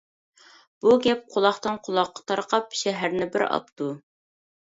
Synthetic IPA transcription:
b̥uɡʲɛp̚qʰʊlˠɑχt̪ɨnqʰʊlˠɑqːɑ̥t̪ʰɑɾqɑpʃɛɦæɾnɪbɪɾɑ̰p̚t̪u

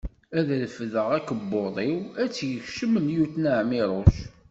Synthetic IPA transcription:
æðlfðəʁækəbːoðˤiwæt͡sːjəçʃəmənjuθnəʕmɪɾˤoʃ

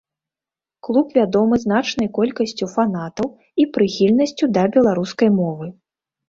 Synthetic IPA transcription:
klˠupvʲad̪ɔmɨznat͡ʂn̪ɐjkɔlʲkɐsʲt͡sʲufanat̪ɐw | ipɾɨxʲilʲnɐsʲt͡sʲud̪ɐbʲɛlˠaɾuskɐjmɔvɨ

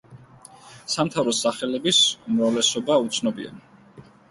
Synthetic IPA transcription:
samt̪ʰavɾɔsaχɛlɛbisumɾavlɛsɔbaut̪sʰnɔbḭa̰n

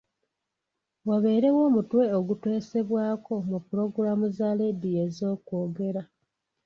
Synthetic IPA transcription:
waβe̞ːɾe̞wo̞ːmutwe̞oɡutwe̞ːse̞βwaːko̞mupuɾo̞ɡuɾamuzale̞dije̞zo̞ːkwo̞ːɡe̞ɾa

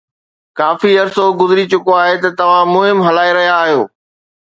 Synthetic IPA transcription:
kaːfiɐɾsoɡʊzɪɾit͡ɕʊkoaːɦet̪ɐt̪ɐʋ̤ãmʊɦɪmɦɐlaːeɾɐɦijaːɦijoː

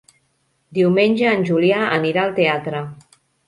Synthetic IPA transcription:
d̪iwmenʲʒəːnʲʒuljaʔəniɾaəlˠt̪eat̪ɾə

